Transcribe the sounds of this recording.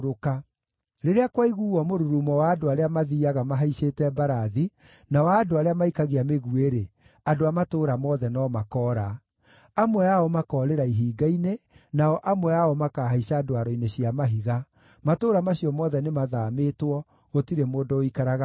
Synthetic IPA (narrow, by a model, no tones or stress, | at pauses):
ɾoka | ɾeɾeakwaiɣuːwɔmoɾuɾumɔwaːdoaɾeamaðiːaɣamaɦaiɕeːtɛbaɾaði | nawaːdoaɾeamaikaɣeameɣueɾe | adoamatoːɾamɔðɛnɔmakɔːɾa | amwɛaɔmakɔːɾeɾaiɦiːɡainenaɔʔamwɛaɔmakaːɦaiɕaːdoaɾɔineɕiamaɦiɣa | matoːɾamaɕiɔmɔðɛnemaðaːmetwɔ | ɣotiɾemoːdooikaɾaɣa